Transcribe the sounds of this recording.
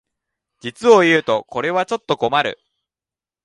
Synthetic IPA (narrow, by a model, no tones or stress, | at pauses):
d͡ʑit͡sɨo̞jɯ̟ːt̪o̞ko̞ɾe̞βat͡ɕo̞t̪ːo̞ɡo̞maɾɯ̟̰